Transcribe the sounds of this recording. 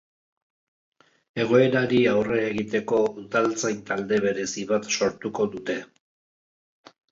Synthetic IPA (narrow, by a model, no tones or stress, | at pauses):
e̞ɣ̞o̞e̞ɾaɾiawre̞ːɣit̪e̞ko̞uðalt͡sajnt̪ald̪e̞βe̞ɾe̞siβat̪so̞ɾt̪uko̞ðut̪e̞